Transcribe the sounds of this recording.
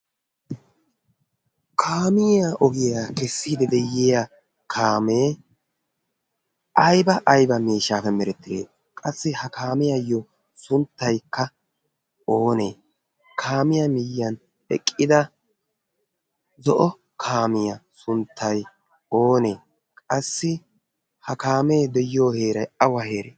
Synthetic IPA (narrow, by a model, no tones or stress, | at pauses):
kʰaːmɪjaʔɔɡɪjaːkɛsːiːd̪ɛd̪ɛjːɪja | kʰaːmeː | ʔɐjbɐʔːjbɐmiːʃːaːfɛmɛɾɛt̪ːɪd̪ḛː | kʼɐsːɪhɐkʰaːmɪjɐjːɔ | sʊnt̪ːɐjkːɐ | o̞ːneː | kʰaːmɪjɐmɪjːɐn | ɛ̰kʼːɪd̪ɐ | zɔʔɔ | kʰaːmɪjɐsʊnt̪ʰːɐj | o̞ːne̞ː | kʼɐsːɪ | hɐkaːmeːd̪ɛjoːheːɾɐjɐwɐhe̞ːɾḛː